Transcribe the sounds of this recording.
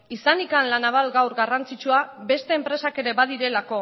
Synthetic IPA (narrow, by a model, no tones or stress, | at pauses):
isanikanlanaβ̞alɡawɾɡarant͡sit͡ʃuabe̞st̪e̞ːmpɾe̞sake̞ɾe̞βað̞iɾe̞lako̞